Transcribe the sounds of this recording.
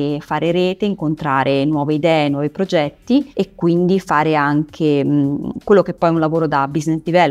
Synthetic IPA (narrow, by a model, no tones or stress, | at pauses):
faːɾeɾɛːt̪eiŋkont̪ɾaːɾʔenwɔːveid̪ɛːenwɔːvipɾod͡ʒɛt̪ːiekːwind̪ifaːɾeaŋkʰe | kwelːok̟epːɔjɛunlavoːɾod̪abizneslivɛl